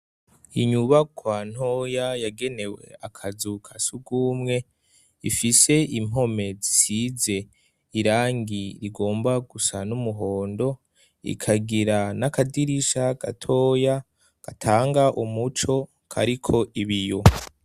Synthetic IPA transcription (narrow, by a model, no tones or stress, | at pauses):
iɲuβakʰwan̥ho̞jajaɡe̞ne̞we̞̰akʰazukʰasuɡuːmŋe̞ | ḭfise̞im̥o̞me̞zisize̞ | iɾaːŋɡiɾiɡo̞ːmbaɡusanumuɦo̞ːndo̞ | ḭkʰaɡiɾanakadiɾiʃaɡ̥a̰tʰo̞ːja | ɡ̥atʰaːŋɡaʔumut͡ʃo̞ | kʰa̰ɾikʰo̞ʔiβijo